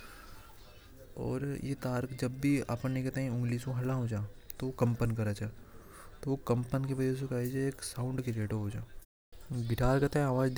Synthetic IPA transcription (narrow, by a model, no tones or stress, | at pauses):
ɔ̰ːɾjḛt̪aːɾkd͡ʒɐbːia̰ːpə̃neĩket̪ãĩʊ̃ŋɡlisoɦɐlaɦod͡ʒaːt̪ookɐ̃mpənkɐɾat͡ʃaː | t̪oʋokɐ̃mpənkebɐd͡ʒes̬ekaːid͡ʒeeːksãːʊ̃ɳɖkeɾeːʈoɦod͡ʒaː | ɡɪʈaːɾkɐt̪ãaːʋaːd͡ʒd̪